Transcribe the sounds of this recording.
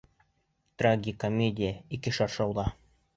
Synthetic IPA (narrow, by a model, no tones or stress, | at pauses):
t̪raɡʲikomʲedʲɪjəikɘʃɑɾʃɑwlˠɑ